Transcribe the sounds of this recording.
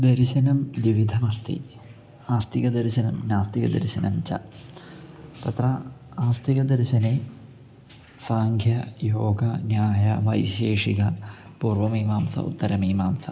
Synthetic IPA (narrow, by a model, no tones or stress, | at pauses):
d̪ɐɾiɕɐnɐmd̪iʋid̪ʱɐmɐst̪ḭ | aːst̪iɣɐd̪ɐɾiɕɐnɐmnaːst̪iɣɐ̰d̪ɐ̰ɾɕɐnɐ̰mt͡ɕɐ̰ | t̪ɐt̪rɐaːst̪iɣɐd̪ɐɾiɕɐne | saːŋɡʱjɐjoːɡɐnjaːjɐʋɐ̰jɕeːʂiɣɐpuːrʋɐmiːmaːmsɐ̰ṵt̪ːɐɾɐmiːmaːmsɐ̰